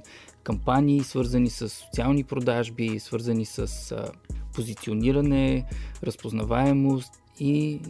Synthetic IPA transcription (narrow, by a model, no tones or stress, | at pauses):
kɐmpaniːsvɤɾzənisəsːo̥t̪sialˠnipɾod̪aʒbisvɤɾzənisəspozit̪sioniɾənɛɾəspoznɐvaɛmost̪ | i